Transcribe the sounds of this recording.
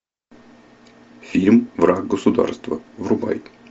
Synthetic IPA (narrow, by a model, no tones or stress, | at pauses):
fʲiɾʲmvraɡɡəsʊd̪a̰rst̪və̰vrʊba̰j